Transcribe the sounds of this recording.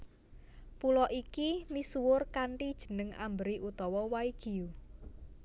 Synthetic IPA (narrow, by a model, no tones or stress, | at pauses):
pulɔʔikimisuwʊrkaɳʈid̥ʒ̥ə̤nəŋa̰mbəɾiʔut̪ɔwɔwaiɡ̥i̤u